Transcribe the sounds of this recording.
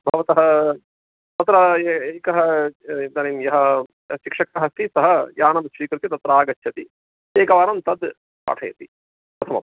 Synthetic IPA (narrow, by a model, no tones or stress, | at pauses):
bʱɐʋɐt̪ɐɦɐ | t̪ɐt̪ɾɐeːkɐɦɐd̪ɐnimjɐɦɐ | ʃikʂɐkɐɦɐst̪isɐɦɐjaːnɐmsʋiːkɾut̪it̪ɐt̪ɾaːɡɐt͡ʃʰʃɐt̪i | eːkɐʋaːnɐmt̪ɐd̪ | pa̰ːʈʰɐjɐt̪ḭ | pɾɐt̪ʰɐmɐ̰m